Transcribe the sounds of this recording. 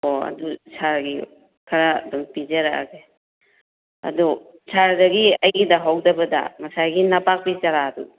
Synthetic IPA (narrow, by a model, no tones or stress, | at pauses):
oɐ̰dusʰaɾɡi | kʰaɾa̰dɔŋpid͡ʒɐɾaa̰ɡe | ɐ̰du | sʰaɾdɐɡiɐjɡidɐɦawdɐbɐda̰mɐsajɡinɐpak̚pit͡ʃaɾadṵ